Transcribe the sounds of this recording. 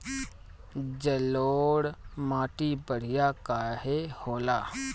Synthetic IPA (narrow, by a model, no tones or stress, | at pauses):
d͡ʒəloːɽmaːʈibəɽ̤ijakaːɦehoːlaː